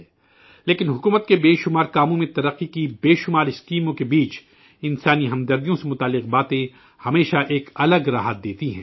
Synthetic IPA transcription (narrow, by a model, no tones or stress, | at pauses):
leːkɪnɦʊkuːmət̪̚kebeːʃʊmaːɾkaːmõmẽt̪ɐɾəqːikibeːʃʊmaːɾɪskiːmõkebiːt͡ʃ | ɪ̃nsaːniɦɐmd̪ɐɾd̪ijõsemʊt̪aːlːɪq̚baːt̪ẽ | hɐmeːʃaʔeːkɐləɡɾaːɦət̪̚d̪eːt̪iɦɛ̃ː